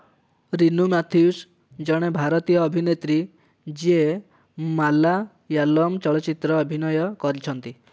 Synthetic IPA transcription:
ɾinumat̪ʰius | d͡ʒɔɽ̃ebʱaɾɔt̪ijɔːbʱinet̪ɾi | d͡ʒie | mala | jalɔmt͡ʃɔɭɔt͡ʃit̪ɾɔːbʱinɔjɔkɔɾit͡ʃʰɔnt̪i

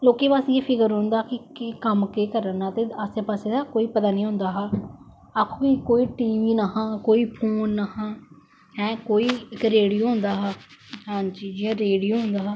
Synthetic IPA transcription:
loːkeːpaːseːpʰɪkəɾɦõːnd̪aːkɪkkəmkeːkəɾənãːt̪eːəseːpaːseːd̪aːkoːiːpət̪aːnĩːɦʊ̃nd̪aːɦaː | akʰõːkikoːiːʈiːʋiːnaɦãːkoːiːpʰoːnːaɦãː | ɦɛ̃ːkoːiːɪkɾeːɽijoːɦʊ̃nd̪aːɦɛːɦãːt͡ʃiːd͡ʒiãːɾeːɽijoːɦʊ̃nd̪aːɦɛː

